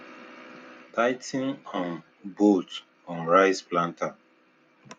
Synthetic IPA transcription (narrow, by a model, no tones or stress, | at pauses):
taɪtĩnɔ̃n | bot | ɔ̃nɹaɪsplãnta